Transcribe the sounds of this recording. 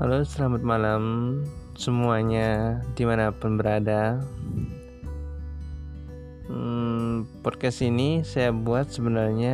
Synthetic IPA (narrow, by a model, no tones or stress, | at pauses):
kalosəlamat̪̚malam | səmuaɲadimanapʊnbəɾada | əmpɔd̚kast̪inisajabuat̪̚səbənarɲa